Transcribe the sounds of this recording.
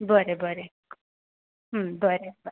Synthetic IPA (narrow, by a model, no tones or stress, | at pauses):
bʱəɾebʱəɾe | ɦəmbʱəɾeb